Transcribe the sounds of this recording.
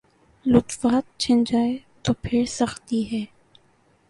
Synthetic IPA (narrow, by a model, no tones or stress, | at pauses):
lʊt̪faːt̪̚t͡ʃʰɐ̃nd͡ʒaːet̪oːpʰɪɾsɐxt̪iɦɛː